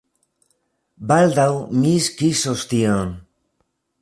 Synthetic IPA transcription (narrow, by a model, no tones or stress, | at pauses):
bald̪awmiskisost̪ion